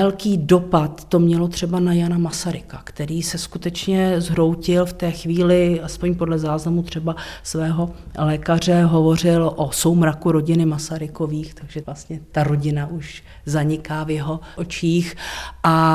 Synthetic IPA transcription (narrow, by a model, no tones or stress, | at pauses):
ɛlkiːdo̞pat̪ːo̞mɲɛlo̞t̪r̝̥ɛbanajanamasaɾɪkakt̪ɛɾiːsɛskut̪ɛt͡ʃɲɛzɦɾo̞wcɪlft̪ɛːxviːlɪaspo̞ɲpo̞dlɛzaːznamut̪r̝̥ɛbasvɛːɦo̞lɛːkar̝ɛɦo̞vo̞r̝ɪlʔo̞so̞wmɾakuɾo̞ɟɪnɪmasaɾɪko̞viːxt̪aɡʒɛvlast̪ɲɛt̪aɾo̞ɟɪnaʔuʃ | zaɲɪkaːvjɛɦo̞ʔot͡ʃiːxʔa